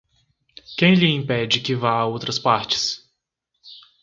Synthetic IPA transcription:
kẽj̃lɪĩpɛd͡ʒɪkɪvaaowt̪ɾɐspaɾt͡ʃɪ̥s

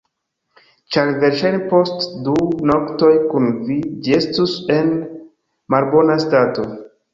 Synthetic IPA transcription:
t͡ʃaɾve̞ɾʃajnepo̞stduno̞kto̞jkunvid͡ʒie̞stuse̞n | malbo̞nastato̞

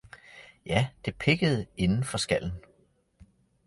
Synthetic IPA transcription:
jæd̥e̝pʰe̝ɡ̥əð̞̩ˠe̝nn̩fɒ̽sɡ̥æl̰n̩

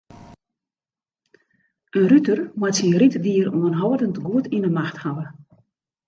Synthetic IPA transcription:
ənrytərmatsinritdiəruənɦɔwədəntɡuətinəmaxthawə

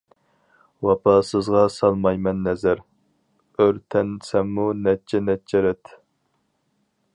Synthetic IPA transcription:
wɑpʰɑsɨzʁɑsɑlˠmɑjmɛnːɛzæɾ | øɾt̪ʰɛnsɛmːunɛt͡ʃʰɛnɛt͡ʃʰɛɾɛt̪

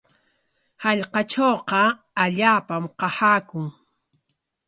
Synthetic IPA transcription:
haʎqɑt͡ʃoːqɑ | aʎaːpamqɑhaːkʊŋ

